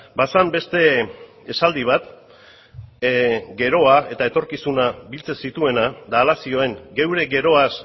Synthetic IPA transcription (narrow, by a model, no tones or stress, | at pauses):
basambe̞st̪e̞ | esald̪iβ̞at̪ | ɡe̞ɾo̞ae̞t̪ae̞t̪o̞ɾkisunaβilt͡sesit̪ue̞nad̪aːlasio̞e̞ŋɡe̞wɾe̞ɡe̞ɾo̞as